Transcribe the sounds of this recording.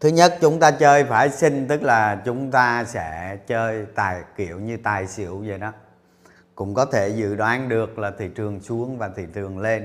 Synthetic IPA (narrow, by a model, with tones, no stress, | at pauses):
t̪ʰɨ˨˦ɲə˦˥t̚t͡ɕʊ˨˦ŋ͡mt̪aː˧t͡ɕəː˧jfaː˧˩jsï˧ŋ̟t̪ɨ˦˥k̚laː˨˩t͡ɕʊ˨˦ŋ͡mt̪aː˧sɛ̰˧˥t͡ɕəː˧jt̪aː˨˩jki˧˩˨əwɲɨ˧t̪aː˨˩jsḭ˧˨əwzə˨˩jnɔ˨˦ | kʊ̰˧˥ŋ͡mkɔ˨˦t̪ʰe˧˩zɨ̰˧˨ɗwaː˨˦nɗɨ˨˩ək̚laː˨˩t̪ʰḭ˧˨t͡ɕɨ˨˩əŋsu˨˦əŋvaː˨˩t̪ʰḭ˧˨tɨ˨˩əŋle˧n